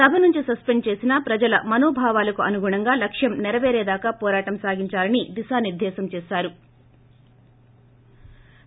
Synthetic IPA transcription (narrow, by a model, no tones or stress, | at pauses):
sɐbʱɐnuɲt͡ʃisɐspeɳɖ̚t͡ʃe̞ːsinɐpɾɐd͡ʒɐlɐmɐnoːbʱaːʋaːlɐkuɐnuɡuɳɐŋɡaːlɐkʂjɐmnɛɾɐʋeːɾeːd̪aːkaːpɔːɾaːʈɐmsaːɡiɲt͡ʃaːlɐnid̪isaːniɾd̪ʱɛːsɐmt͡ʃeːsaːɾu